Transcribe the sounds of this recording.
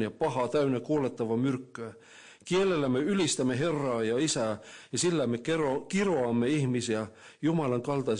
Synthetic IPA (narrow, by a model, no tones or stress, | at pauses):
jɑpɑhɑt̪æynekuolet̪ːɑʋɑmyrkːøː | kielelːæmeylist̪æmːeɦerːɑːjɑisæːjɑsilːæmekerokiroɑmːeihmisiæ | jumɑlɑŋkɑlt̪ɑi